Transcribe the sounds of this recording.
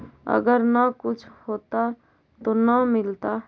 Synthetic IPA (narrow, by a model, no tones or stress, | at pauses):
ə̰ɡəɾnakʊt͡ʃʰhoːt̪a | t̪onəmɪlt̪a